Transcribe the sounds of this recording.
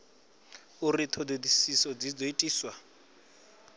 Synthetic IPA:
ʊritʰɔdedisisɔd͡zid͡zɔetʼiːswa

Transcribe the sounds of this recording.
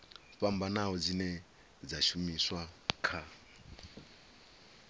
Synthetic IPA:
ɸam̩banaɦɔd͡zinɛ | d͡zaʃumiswakʰa

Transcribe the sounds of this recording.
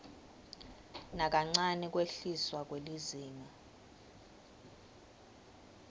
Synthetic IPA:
nak̬ʼaŋ͡ǀanɛk̬ʼweɬiswak̬ʼweliziːmɔ

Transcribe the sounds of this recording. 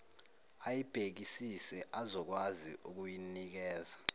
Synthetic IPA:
ajib̥ʱek̬isisɛʔazɔk̬wazḭʔuk̬ujinik̬ɛːza

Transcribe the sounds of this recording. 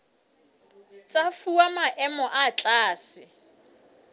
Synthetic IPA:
t͡sʼafuwamaʔɛmɔʔat͡ɬʼaːsɪ

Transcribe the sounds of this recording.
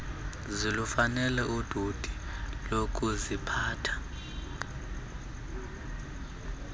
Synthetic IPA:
zilufanɛlɛʔud̥ʱud̥ʱilok̬ʰʼuzipʰaːtʰḁ

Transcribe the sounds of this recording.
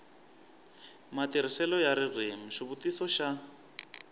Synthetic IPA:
matiɾisɛlɔjaɾirem̩ʂiβutisɔʃa

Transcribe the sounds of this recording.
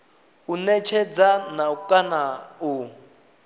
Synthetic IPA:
unɛt͡ʃʰɛd͡zanaukʼanau

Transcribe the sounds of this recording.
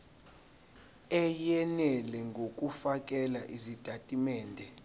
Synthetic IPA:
ɛjɛnɛlɛŋɡʱok̬ʼufak̬ʼɛlaʔizid̥ʼʱatʼimɛːndʱɛ

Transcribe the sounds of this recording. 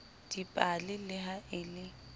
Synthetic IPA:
d̥ipʼalɪlɪɦaʔɪlɪ

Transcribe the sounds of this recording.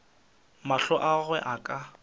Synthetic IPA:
maɬɔʔaɣwɛʔakʼa

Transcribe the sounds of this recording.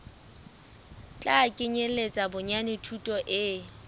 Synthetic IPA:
t͡ɬʼakʼɪɲelet͡sʼabʊɲanɪtʰutʼɔʔɪ

